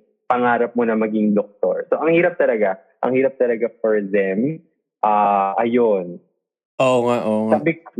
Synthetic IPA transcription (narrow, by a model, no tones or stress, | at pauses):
pɐŋaːɾɐp̚monɐmɐɡiŋd̪ok̚t̪o̰ɹsoʔɐŋhiːɾɐp̚t̪ɐlɐɡa | ʔɐ̰ŋhiːɾɐp̚t̪ɐlɐɡap̚ɛɹzɛm | ʔaːʔɐjon | ʔoŋaʔoŋabɪ